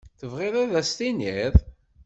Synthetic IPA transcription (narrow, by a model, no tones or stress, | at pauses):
θəvʁɪðˤaðæst̪iniðˤ